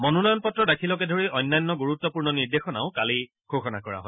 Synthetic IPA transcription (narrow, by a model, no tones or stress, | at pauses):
mɔnunɔjɔnpɔtːɹɔdakʰilɔkɛdʱoɹiʔɔjnːajnːɔɡuɹut̪ːɔpuɹnɔniɹdexɔna̰ʊkali | kʰoxɔna̰kɔɹa̰ɦɔj